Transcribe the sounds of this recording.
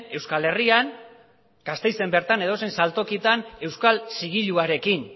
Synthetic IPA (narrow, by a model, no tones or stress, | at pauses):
e̞wskale̞rian | ɡ̥ast̪e̞jt͡se̞mbe̞ɾt̪ane̞ð̞o̞s̬ejnsalt̪o̞kit̪ane̞wskalsiɣ̞iʎuaɾe̞kin